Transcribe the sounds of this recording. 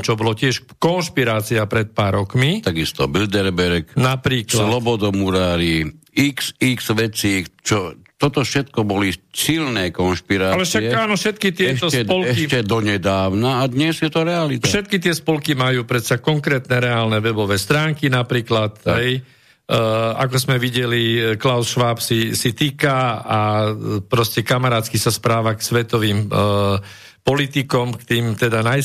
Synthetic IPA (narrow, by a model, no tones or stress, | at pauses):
t͡ʃɔbɔlɔcɪɛʃ | kɔnʃpiɾaːt͡siapɾɛt̪̚paːɾɔkmit̪aɡist̪ɔbild̪ɛɾbɛɾknapɾiːklsalɔbɔd̪ɔmuɾaːɾi | iksikzʋɛt͡siːxt͡ʃɔ | t̪ɔt̪ɔfʃɛt̪kɔbɔlisilnɛːkɔnʃpiɾaalɛʃaɛaːnɔfʃɛt̪kit̪ɪɛɛʃɔsɛdpɔlɛicɛd̪ɔɲɛd̪aːʊnaːd̪ɲɛzjɛt̪ɔɾɛalit̪faʃɛt̪̚kit̪ɪɛspɔlkimajuːpɾɛt̪sakɔŋkɾɛːt̪nɛɾɛaːlnɛʋɛbɔʋɛːst̪ɾaːŋkinapɾiːklat̪ɦɛj | a̰kɔzmɛʋiɟɛliklaʊsʃʋaːpsisit̪iːkaapɾɔscɛkamaɾaːt̪kisaspɾaːʋaksʋɛt̪ɔʋiːm | pɔlit̪ikɔmkt̪iːmt̪ɛd̪anaj